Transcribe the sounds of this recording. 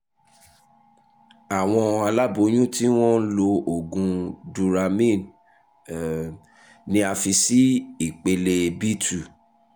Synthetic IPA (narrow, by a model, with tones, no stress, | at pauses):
a˨w̃ɔ̃˧a˧la˦bo˨˦j̃ũ˦ti˦w̃ɔ̃˦n̩˦lo˧o˨ɡũ˧du˧ɾa˧mĩ˦˨n | nĩ˦a˧fi˧si˦i˦˨k͡pe˧le˧bi˦tu˨